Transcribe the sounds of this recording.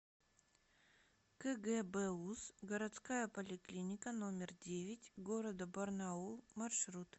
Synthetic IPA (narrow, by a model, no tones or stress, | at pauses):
kɛɡɛbɛusɡəɾɐt̪skajəpəlʲɪklʲinʲɪkəno̞mʲɪrdʲevʲɪtʲɡo̞ɾəd̪əbɐrnaumɐrʂɾut̪